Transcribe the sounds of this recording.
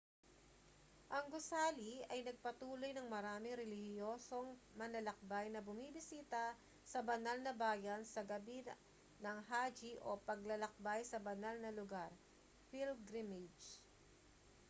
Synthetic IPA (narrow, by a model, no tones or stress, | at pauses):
ʔɐŋɡʊsaːliɐjnɐɡ̚pɐt̪uːlo̞jnɐŋmɐɾaːmɪŋɾɛlɪhɪjo̞ːso̞ŋmɐnɐlɐk̚bajnɐbʊmibɪsiːt̪ɐ | sɐbɐnalnɐbaːjɐnsɐɡɐbi | nɐŋɦaːd͡ʒiʔopɐɡ̚lɐlɐk̚bajsɐbɐnalnɐlʊɡaɾ | fild̪d̪ɾimɛd͡ʒ